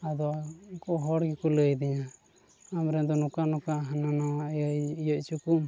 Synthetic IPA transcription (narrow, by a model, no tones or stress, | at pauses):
ad̪ɔkɔɦɔɽɡikuləjd̪ɛɲa | amɾɛnd̪ɔnɔkanɔkaɦananajjɔc̚t͡ʃukum